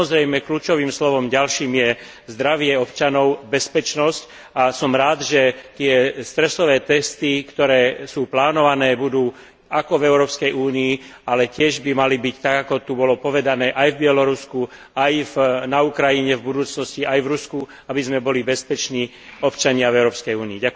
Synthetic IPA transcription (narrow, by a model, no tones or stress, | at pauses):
ɔzɾɛjmɛkluːt͡ʃɔʋiːmslɔʋɔmɟalʃiːmjɛ | zd̪ɾaʋɪɛɔpt͡ʃanɔʊbɛspɛt͡ʃnɔsc | asɔmɾaːd̪ʒɛt̪ɪɛst̪ɾɛsɔʋɛːt̪ɛst̪ikt̪ɔɾɛːsuːplaːnɔʋanɛːbud̪uː | akɔvɛʊɾɔːpskɛjuːnii | alɛcɪɛʒbimalibict̪aɡakɔt̪ubɔlɔpɔʋɛd̪anɛːʔajvbɪɛlɔɾusku | ajvnaukɾajiɲɛvbud̪uːt͡snɔsciajvɾusku | abizmɛbɔlibɛspɛt͡ʃniː | ɔpt͡ʃaɲɪavɛʊɾɔːpskɛjuːniːɟak